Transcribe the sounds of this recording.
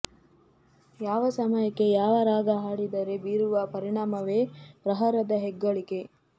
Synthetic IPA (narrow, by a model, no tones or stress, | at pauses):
jaːʋɐsɐmɐjɐkːe̞jaːʋɐɾaːɡɐɦaːɽid̪ɐɾe̞biːɾuʋɐpɐɾiɳaːmɐʋe̞ːpɾɐɦɐɾɐd̪ɐɦɛɡːɐɭike̞